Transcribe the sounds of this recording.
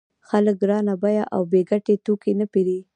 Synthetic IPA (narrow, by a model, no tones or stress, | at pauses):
xalək̚ɡɾɑnabajaʔa̰wbeɡaʈet̪okenapeɾi